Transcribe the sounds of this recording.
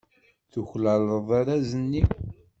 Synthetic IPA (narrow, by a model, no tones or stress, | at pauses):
θuçlæləðˤaɾæzənːiw